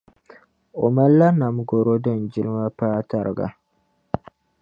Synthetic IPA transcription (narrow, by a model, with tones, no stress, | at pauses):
o˨ma˦lːa˦na˨mɡo˨ɾo˦dɨ˦˨nd͡ʒɪ˦lɨ˦ma˦paː˦ta˦˨ɾɨ̰˨ɡa̰˨